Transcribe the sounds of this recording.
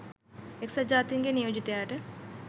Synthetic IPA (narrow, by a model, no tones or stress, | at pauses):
eksɐd͡ʒaːt̪iŋɡenijoːd͡ʒit̪eaːʈe